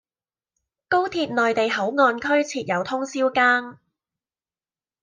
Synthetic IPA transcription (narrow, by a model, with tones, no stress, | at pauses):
ko˥wt̪ʰiː˧p̚nɔː˨jt̪e˨jɦɐ˨˥wŋɔː˧nkʰɵ˥ɥt͡sʰiː˨˩t̚jɐ˨˧wt̪ʰʊ˥ŋsiː˥wkaː˥ŋ